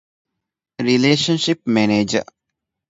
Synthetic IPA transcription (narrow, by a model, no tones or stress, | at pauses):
ɾileːʃə̃nʃɪpmɛneːd͡ʒə̰